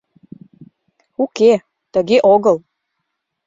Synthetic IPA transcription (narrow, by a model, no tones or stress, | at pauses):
uke | t̪ə̆ɣeʔoɣɤ̆lˠ